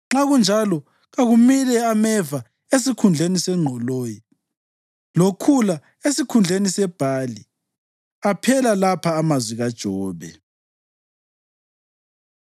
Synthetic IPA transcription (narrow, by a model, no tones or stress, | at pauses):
ŋ͡ǁaɣund͡ʒʱalɔ | ɣaɣumilɛamɛva | esikʰund͡ɮʱenisɛŋ͡ǃʱɔloːji | lokʰula | esikʰund͡ɮʱenisɛb̥ʱali | apʰɛlalapʰaːmazwiɣad̥ʒ̥ʱɔːβɛ̰